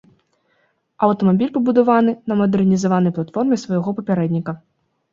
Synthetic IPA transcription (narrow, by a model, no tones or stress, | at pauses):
ɐwt̪ɔmabʲilʲpɐbud̪avanɨnɐmɐd̪ɛrnʲizavanɐjplˠat̪fɔrmʲɛsvɐjaɣɔpɐpʲaɾɛd̪ʲnʲikɐ